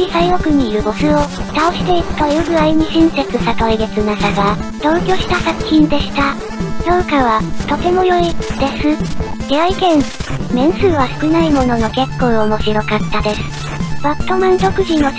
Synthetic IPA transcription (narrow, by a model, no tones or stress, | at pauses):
isaiɾo̞kɯ̟ɲ̟iːɾɯ̟bo̞sɨo̞t̪aoɕi̥t̪e̞iɾɯ̟̥t̪ojɯɡɯ̟ɾaiɲ̟iɕĩɰ̃se̞t͡sɨsat̪oiɡe̞t͡sɨnasaɡat̪o̞ːkʲo̞ːɕi̥t̪asakɯ̟̥çĩnd̪e̞ɕi̥t̪a | d̪õŋkaβ̞at̪o̞t̪e̞mo̞jo̞id̪e̞sɨd̪eaikẽ̞nmẽ̞ɰ̃sɨːβasɨ̥kɯ̟naimo̞no̞no̞ke̞kːoomo̞ɕiɾo̞kat̪ːad̪e̞sɨ̥ | b̥at̪ːo̞mẽnt̪o̞kɯ̟ʑino̞